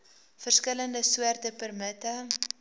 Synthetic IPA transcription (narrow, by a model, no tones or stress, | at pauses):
fərskələndəsuərtəpərmətə